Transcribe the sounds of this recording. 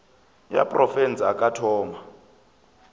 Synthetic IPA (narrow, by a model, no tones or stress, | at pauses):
ja̰pʼrʔɔfɛnt͡saakʼatʰɔːma